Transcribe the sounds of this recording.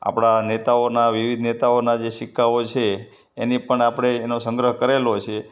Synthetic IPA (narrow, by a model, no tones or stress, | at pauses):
a̰pɽ̃anet̪aonaʋiʋid̪ʱnet̪aonad͡ʒeʃikʰːaot͡ʃʰeː | nipəɳapɽ̃eːnosə̃ŋɡɾəɦkəɾelot͡ʃʰe